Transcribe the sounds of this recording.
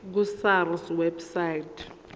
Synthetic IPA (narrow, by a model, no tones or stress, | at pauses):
k̬usarswɛbsaitʰʼ